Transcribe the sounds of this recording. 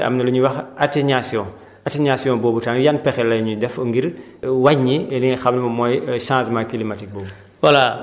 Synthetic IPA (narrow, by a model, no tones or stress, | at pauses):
ɐ̰mnɐluɲuwɐxateɲasjɔ̃ː | ateɲasjɔ̃ːbɔːbutanjanpɛxɛlɐjɲudɛfoŋɡiɾ | waɟɲiɛniŋɐxɐmnimɐmɔjʃãːsmajkilimatik̚boːbu | wala